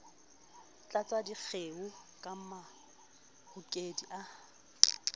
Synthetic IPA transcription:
t͡ɬʼat͡sʼwadik͡xʰeʊkʼam̩ma | hʊkʼediʔa

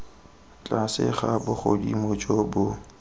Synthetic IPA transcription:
t͡ɬʼasɪ̰χabʊχodimot͡ʃʼɔbʊ

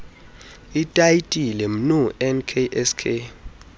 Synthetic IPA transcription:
itʼaitʼilɛm̩nuɛnkʰeʔɛskʰe

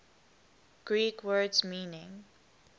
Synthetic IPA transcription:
ɡ̥ɹiːkwɜːdzmĩːnɪ̃ŋ

